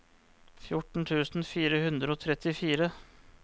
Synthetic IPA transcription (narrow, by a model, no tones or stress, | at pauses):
fjʊʈɳ̩t̪ʰʉːsn̩fiːɾəhʉnd̪ɾəoːt̪ʰɾɛt̪ɪfiːɾə